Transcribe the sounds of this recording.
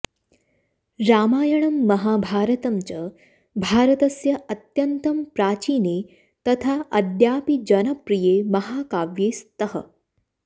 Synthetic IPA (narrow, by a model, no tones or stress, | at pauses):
ɾaːmaːjɐɳɐmːɐɦaːbʱaːɾɐt̪ɐmt͡ʃɐ | bʱaːɾɐt̪ɐsjɐʔɐt̪jɐnt̪ɐmpɾaːt͡ʃiːneː | t̪ɐt̪ʰaːʔɐd̪jaːpid͡ʒɐnɐpɾijeːmɐɦaːkaːʋjeːst̪ɐɦɐ̰